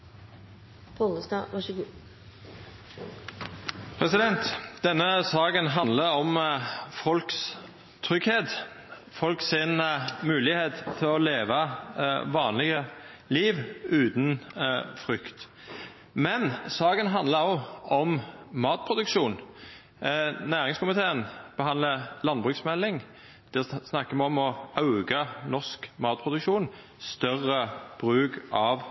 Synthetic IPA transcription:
pʰɔləsd̪ɑ̰ːʋɑʂəɡuː | pʰɾɛsɪd̪ɛnt̪d̪̥ɛnːəsɑːɡənɦɑnd̪ləɾɔmfɔlks | t̪ʰʁʏɡheːt̪ | fɔlksɪnmʉːlɪheːt̪t̪ʰɪlɔleːʋɑ | ʋɑːnlɪɡə | liːʋʉːt̪n̩fʁʏkt̪ | mɛnsɑːkənɦɑnd̪ləʁɔɔmmɑːt̪̚pʰʁʊd̪ʉkʃuːn | næːʁɪŋskʰʊmɪt̪ʰeːənb̥əɦɑnd̪ləlɑnbʁʉːksmɛlːɪŋ | d̪̥ɛsnɑkːəmɛɔmɔʔɑʉɡɑnɔʁskmɑːt̪̚pʰʁʊd̪ʉkʃuːn | st̪œʁəb̥ʁʉːkɑʋ

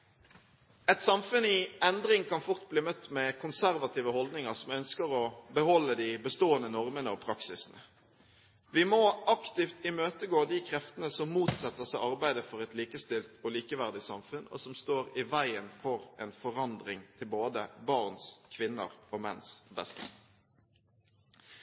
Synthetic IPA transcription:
ɛt̪sɑmfʉnɪɛnd̪ɾɪŋkʰɑnfʊʁt̪̚bliːmœt̪ːmɛkʰʊnsæɾʋɑt̪ʰiːʋəhɔld̪nɪŋɑʁsɔmœnskəɾɔbəhɔlːəd̪ɪbəst̪oːənənɔʁmənəɔpʰɾɑksɪsnə̰ | ʋɪmɔʔɑkt̪ɪft̪ɪmøːt̪əɡoːd̪ikʰɾɛft̪ənəsɔmːuːt̪sɛt̪ːəsæɪɑʁbæɪd̪əfɔʁɛt̪liːkəst̪ɪlt̪ɔliːkəʋæʁd̪ɪsɑmfʉnɔ̰sɔmst̪oːɾɪʋæɪənfɔɾɛnfɔʁɑnd̪ʁɪŋt̪ʰɪlboːd̪əbɑʁnskʰʋɪnːə̰ʁɔmɛ̰nsbɛst̪ə̰

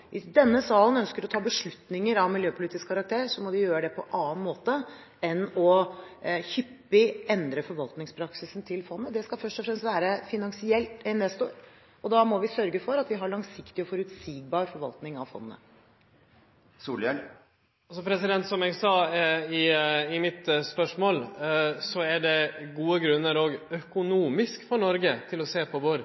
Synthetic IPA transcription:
ʋʔɪsd̪ɛnːəsɑːlənœnskəɾɔt̪ʰɑːbəʂɭʉt̪nɪŋəɾɑʋmɪljøːpʰʊliːt̪ɪskʰɑɾɑk̚t̪ʰeːɾsɔmɔd̪ɪjøːɾəd̪ɛpʰɔʔɑːnmoːt̪ə | ɛnɔ | çʏpːɪɛnd̪ɾəfɔɾʋɑlt̪nɪŋspʰɾɑksɪsnt̪ʰɪlfɔnːəd̪ɛskɑfœʂʈɔfɾɛmst̪ʋæːɾəfɪnɑŋsɪɛlt̪ɛnɛst̪oɾ | ɔd̪ɑmɔʋɪsœɾɡəfɔɾɑt̪ʋɪɦɑɭɑŋsɪkt̪ɪɔfɔɾʉt̪siːɡ̚bɑːɾfɔɾʋɑ̰lt̪nɪŋɑʋfɔ̰nːənə̰ | suːlɛl | ɑsɔpʰɾɛsɪd̪ɛnt̪sɔmɛɡsɑːɪɪmɪt̪spœʂmoːlsɔæɖɛɡuːəɡɾʉnːəɾɔɡœkʊnuːmɪskfɔɳɔɾɡət̪ʰɪlɔseːpʰɔʋʊɾ

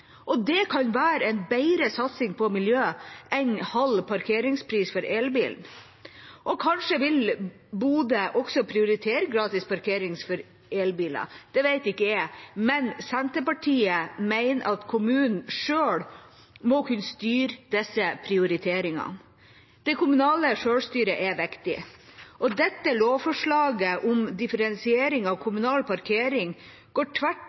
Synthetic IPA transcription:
ʔɔd̪ɛkʰɑnʋæːɾɛɪnbæɪɾəsɑt̪sɪŋpʰɔmɪljøːʔɛnhɑlpʰɑɾkʰeːɾɪŋspʰɾiːsfɔɾʔeːlbḭːln | ʔɔkʰɑnʂəʋɪl | buːd̪əʔɔksɔpʰɾɪʊɾɪt̪ʰeːɾəɡɾɑːt̪ɪspɑɾkʰeːɾɪŋsfɔɾ | eːlbiːlɑ̰d̪̥ɛʋæɪt̪ɪkːəjæmɛnsɛnt̪əpɑʈʰiːəmæɪnəʔɑt̪kʰʊmʉːnn̩ʂøːɽ | mɔkʰʉnːst̪yːɾd̪̥ɛsːəpʰɾɪʊɾɪt̪ʰeːɾɪŋɑ̰n | d̪̥ɛɪkʊmʉnɑːləʂøːɽʂt̪yːɾəʔɛʋɛkt̪ɪ̰ʔɔd̪ɛt̪ːəloːʋfɔʂɭɑːɡəʔʊmd̪ɪfəɾɛnsɪeːɾɪŋɑʋkʰʊmʉnɑːlpʰɑɾkʰeːɾɪŋ | ɡ̥oːʈʰʋæʈ

